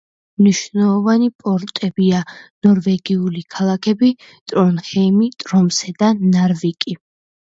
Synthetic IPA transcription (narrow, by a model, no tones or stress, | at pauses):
mniʃnɛlˠɔvanipʼɔɾt̪ʼɛbianɔɾvɛɡiulikʰalˠakʰɛbi | t̪ʼɾɔnχɛimit̪ʼɾɔmsɛd̪anaɾvikʼi